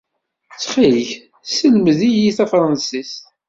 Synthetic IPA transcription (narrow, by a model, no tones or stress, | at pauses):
t͡sːχiləç | səlməðijiθafɾˤɑnsist̪